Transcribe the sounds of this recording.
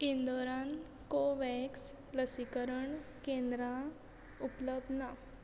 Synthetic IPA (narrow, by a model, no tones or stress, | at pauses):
ind̪oɾãn | koʋɛks | ləsikəɾəɳ | kẽnd̪ɾã | upləb̚d̪na